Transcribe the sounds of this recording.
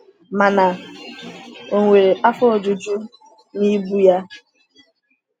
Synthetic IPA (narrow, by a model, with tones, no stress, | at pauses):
ma˨na˨ | o˨ŋʷe˨a˦fo˦o˨d͡ʒu˨d͡ʒu˦ | ni˦bu˦ja˦